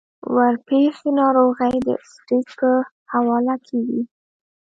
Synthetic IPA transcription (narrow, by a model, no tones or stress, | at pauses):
waɾpexenɑɾoɣəjd̪ə̰sʈikə | hawɑlakʰeɡi